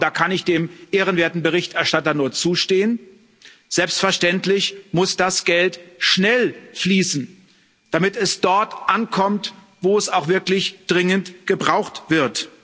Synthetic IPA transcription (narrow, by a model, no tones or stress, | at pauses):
d̥aːkʰanɪçd̥eːmʔeːʁ̞ənveːɐtn̩bəʁ̞ɪçtɛɐʃtatɐnuːɐt͡suːʃteːən | z̥ɛlpstfɛɐʃtɛntlɪçmʊsd̥asɡ̥ɛltʃnɛlfliːsn̩ | d̥amɪtɛsd̥ɔɐtʔankʰɔmt | voːɛsaʊxv̥ɪɐklɪçd̥ʁɪŋəntɡ̥əbʁaʊxtv̥ɪɐt